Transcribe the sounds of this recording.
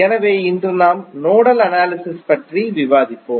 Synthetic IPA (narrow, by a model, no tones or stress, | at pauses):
ɛnɐʋeːɪnd̪rɯnaːmnoːɽɐlɐnaːlɪsɪspɐʈriʋɪʋaːðɪpːoːm